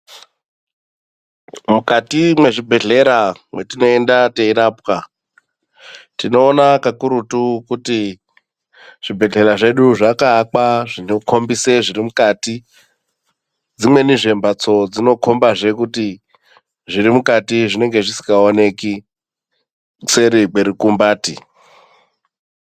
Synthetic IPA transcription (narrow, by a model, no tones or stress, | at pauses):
mukatimwe̞ʐibʱe̞ɮe̞ɾamwe̞tino̞e̞ndateiɾapka | tino̞ːnakakuɾutukuti | ʐ̥ibʱe̞ɮe̞ɾaʐe̞ɗuʐakaːkaʐinokʰo̞mbise̞ʐirimukati | d͡zimwe̞niʐe̞mbat͡so̞d͡zino̞kʰo̞mbaʐe̞kuti | ʐiɾimukatiʐine̞ŋɡe̞ʐisi̥kɡaone̞ki | se̞ɾiɡ͡beɾikumbaːti